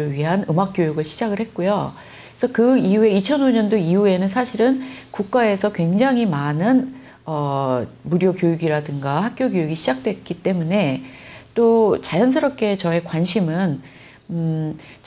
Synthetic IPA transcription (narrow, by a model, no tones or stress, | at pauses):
ɯɭɥiɦanɯmak̚k͈jojuɡɯɭɕʰid͡ʑaɡɯɭhet̚k͈ojo | sʰʌkɯiue̞it͡ɕʰʌnoɲʌndoiue̞nɯnsʰaɕʰiɾɯnkuk̚k͈ae̞sʰʌkwe̞ŋd͡ʑaŋɦimanɯn | ʌmuɾjokjojuɡiɾadɯŋɡahak̚k͈joɡjojuɡiɕʰid͡ʑak̚t͈we̞k͈it͈e̞mune̞t͈ot͡ɕajʌns̬ʰɯɾʌp̚k͈e̞t͡ɕʌe̞kwanɕʰimɯn